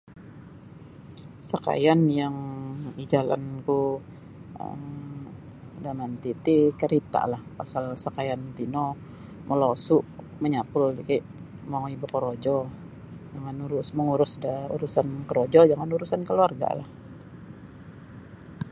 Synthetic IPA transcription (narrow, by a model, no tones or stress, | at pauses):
saka̰janjaŋid͡ʒala̰nku | ə̰m | danant̪it̪ikəɾit̪a̰lahpasalsakajant̪ino | mʔəlosuʔ | məɲapʊld͡ʒikajʔ | maibukəɾod͡ʒɔ | d͡ʒaŋanuɾusməŋuɾʊsdaṵɾusankəɾod͡ʒɔd͡ʒaŋanuɾusankəluarɡa̰la̰h